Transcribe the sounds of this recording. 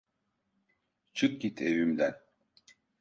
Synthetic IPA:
t͡ʃʰɯk̚ɡit̪ʰevymd̪æn

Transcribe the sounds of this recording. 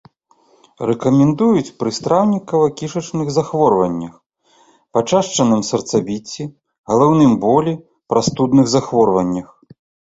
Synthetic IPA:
rɛkɐmʲɛnd̪ujut͡sʲpɾɨst̪ɾawnʲikɐvɐkʲiʂɐt͡ʂnɨɣzaxvɔrvɐnʲːɐx | pat͡ʂaʂt͡ʂɐnɨmsɐrt̪sabʲit͡sʲːi | ɣɐlˠawnɨmbɔlʲi | pɾast̪ud̪nɨɣzaxvɔrvɐnʲːɐx

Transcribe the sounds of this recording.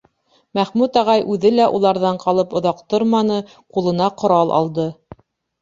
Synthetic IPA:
mæχmʉt̪ɑʁɑjʔʉðɘlæʔulˠɑɾðɑɴqʰɑlˠɤpŏðɑqt̪oɾmɑnɤ | qulˠɤ̆nɑqŏɾɑlˠʔɑ̰lˠd̪ɤ

